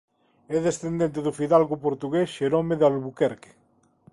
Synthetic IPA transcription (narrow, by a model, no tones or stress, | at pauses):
ɛðesθend̪ẽnt̪̬eðufiðalɣupoɾt̪uɣesʃeɾomeðalβukɛɾke̥